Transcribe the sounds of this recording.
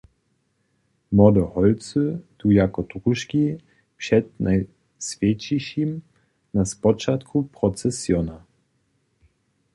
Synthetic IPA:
mɔd̪ɔhɔlt̪sɨt̪ujakɔt̪ʁuʃkʲi | pʂɛd̪naj | sfʲjɛt͡ɕiɕim | naspɔt͡ʃat̪kʰupɾɔt̪sɛsjɔna

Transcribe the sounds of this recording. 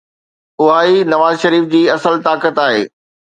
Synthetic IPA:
ʊɦaːinɐʋaːzʃɐɾiːfd͡ʑiːɐsəlt̪aːkət̪aːɦḛː

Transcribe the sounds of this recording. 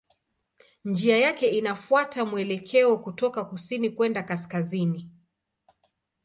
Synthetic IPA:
nd͡ʒiajakɛinafuatamuɛlɛkʰɛɔkutɔkakusinikwɛndakaskazini

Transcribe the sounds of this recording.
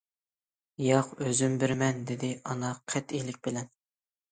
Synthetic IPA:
jɑqøzymbɪɾmɛnd̪ɪd̪ɪɑnɑqʰɛt̪ilɪk̚ʲbɪlɛn

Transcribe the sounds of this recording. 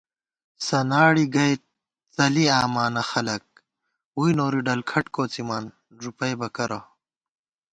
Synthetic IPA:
sɐnaːɽiɡɐjt̪ | t͡sɐliaːmaːnɐxɐlɐk̚ | ujnoːɾiɖɐlkʰɐʈkoːt͡simaːn | ʐupɐjbɐkɐɾɐ

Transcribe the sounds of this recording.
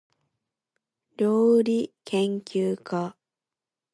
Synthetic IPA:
ɾʲjoːɾʲikʰẽ̞ŋkʲɨːkʰa

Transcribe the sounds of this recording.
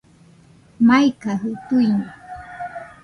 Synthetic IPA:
majkaɦʊt̪ʊjma

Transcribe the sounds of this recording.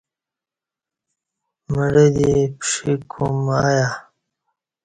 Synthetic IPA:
məɽed̪ipʂikʰumaja

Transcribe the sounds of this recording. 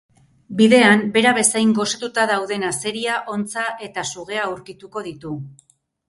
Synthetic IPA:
biðe̞ambe̞ɾaβe̞sajŋɡo̞sat̪ut̪aðawðe̞nase̞ɾiaʔo̞nt͡saʔe̞t̪asuɣe̞auɾkit̪uko̞ðit̪u

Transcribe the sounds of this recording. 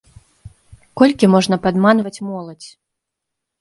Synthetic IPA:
kɔlʲkʲimɔʐnɐpad̪manvɐt͡sʲmɔlˠɐt͡sʲ

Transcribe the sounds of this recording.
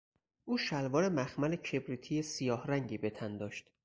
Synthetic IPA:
ʔuːʃælvɒːɾe̞mæxmælecʰe̞bɾiːt̪ʰijesijɒːhɾæŋɟiːbe̞t̪ʰænd̪ɒːʃt̪

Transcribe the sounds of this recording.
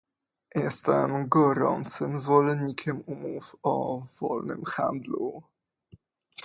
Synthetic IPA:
jɛst̪ɛmɡɔɾɔ̰nt̪sɘmzvɔlɛnɲikʲʰɛmumufɔvɔ̰lnɘ̰mxa̰nd̪lu

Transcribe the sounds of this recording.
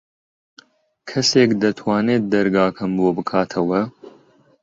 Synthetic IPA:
kʰɐseːkd̪ɐt̪ʰwaːneːt̪̚d̪ɐɾɡaːkʰɐmboːbɨkʰaːt̪ʰɐwɐ

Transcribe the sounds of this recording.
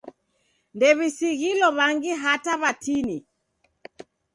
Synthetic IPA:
ndɛβisiɣilɔβaŋɡiɦataβatini

